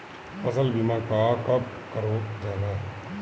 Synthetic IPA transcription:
fɐzəlbimãːkaːkɐb̚ | kəɾoːd͡ʒaːnãː

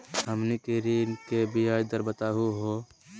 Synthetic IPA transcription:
ɦəmnikeɾinkebʱiaːjd̪əɾbət̪aːɦuɦoː

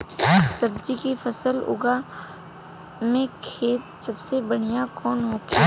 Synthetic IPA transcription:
sɐbd͡ʒikifʰɐsəlʊ̰ɡa | mẽkʰeːt̪̚sɐbsebɐɽ̤ijakɔːnɦoːke

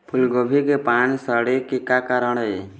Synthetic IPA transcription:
pʰulɡobʱikepansəɽekikakaɾəɽe

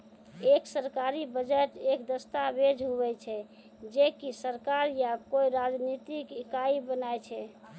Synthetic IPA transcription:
eksəɾkaɾibəd͡ʒəʈekd̪əst̪abed͡ʒɦubɛt͡ʃʰɛ | d͡ʒekisəɾkaɾjakoiɾad͡ʒnit̪ikikaibənajt͡ʃʰɛ

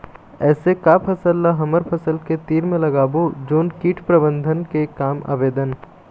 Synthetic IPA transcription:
ɛːsekaːpʰɐsəlːaɦɐməɾpʰəsəlket̪iːɾmẽlɐɡaːbod͡ʒoːnkiːʈʰpɾɐbə̃nd̪ʱənkekaːma̰ːʋeːd̪ən

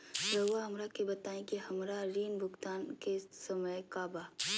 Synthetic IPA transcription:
ɾɐʋaɦɐmɾakebɐt̪aːẽkiɦɐmɾaɾiːnbʱʊɡt̪aːnkesɐməjkaːbaː

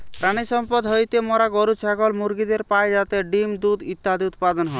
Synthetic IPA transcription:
pɾaɽ̃isɔmpɔd̪ɦojt̪emɔɾaɡɔɾut͡ʃʰaɡɔlmuɾɡid̪eɾpajd͡ʒat̪eɖimd̪ud̪it̪ːad̪iut̪̚pad̪ɔnɦɔ

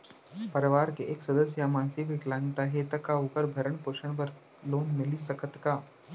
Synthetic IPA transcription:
pɐɾɪʋaːɾkeʔeːksɐd̪əsjamãːnsibʱɪklãːŋt̪aɦeːt̪ɐkaoːkəɾbʱɐɾəɳ̃poːʃəɳ̃pɐɾ | loːnmɪlisɐkʰət̪kaː

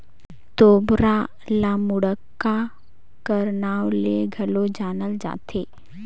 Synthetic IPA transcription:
t̪oːbɾa | laːmʊɽəkːa | kəɾnaːwleɡʱɐlod͡ʒaːnəld͡ʒa̰ːt̪ʰeː

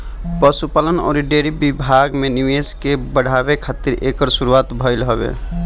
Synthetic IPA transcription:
pəsupalənɔ̰ɾiɖeɾibibʱaɡmenimeskebəɽ̤ʱabekʰat̪iɾʔekəɾsuɾuat̪bʱəɪlɦɔbḛ

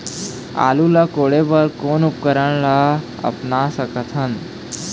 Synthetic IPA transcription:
a̰lulakoɽebəɾkonupkəɾəɳla | ə̰pnasəkət̪ʰən

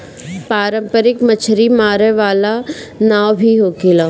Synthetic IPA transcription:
paːɾə̃mpəɾɪkmət͡ʃʰɾimaːɾeʋaːlanaːwbʱiɦoːkɪlaː

